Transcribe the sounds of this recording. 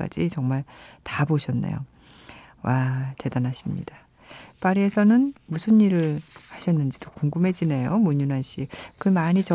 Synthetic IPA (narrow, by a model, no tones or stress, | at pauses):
k͈a̰d͡ʑit͡ɕʌŋmaɭtaboɕʰʌnːḛjo̰ | wate̞danaɕʰimɲḭda | p͈aɾie̞sʰʌnɯnmusʰɯniɾɯɭhaɕʰʌnːɯnd͡ʑidokuŋɡɯmɦe̞d͡ʑine̞jomuɲunɦanɕ͈ʰikɯmaɲit͡ɕʌ